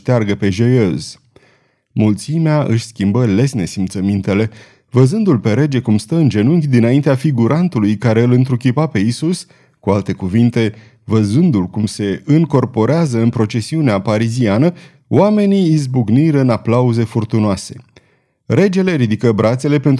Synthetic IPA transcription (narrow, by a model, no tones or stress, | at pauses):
ʃt̪earɡəpe̞ʒojoz̥ | mult̪simeaʔɨʃʲskʲimbəle̞sne̞simt̪səmint̪e̞le̞ | vəzɨnd̪ulpe̞ɾe̞d͡ʒe̞kumst̪əɨnd͡ʒe̞nuŋɡʲd̪inaint̪eafiɡuɾʔant̪ulujkaɾe̞ɨlɨnt̪ɾukʲipape̞isus | kualt̪e̞kuvint̪e̞ | vəzɨnd̪ulkumse̞ɨŋko̞rpo̞ɾeazəɨnpɾo̞t͡ʃe̞siuneapaɾizianə | wame̞niːzbuɡniɾɨnaplauze̞furt̪unoase̞̥̰ | ɾe̞d͡ʒe̞le̞ɾid̪ikəbɾʔat̪se̞le̞pe̞nt̪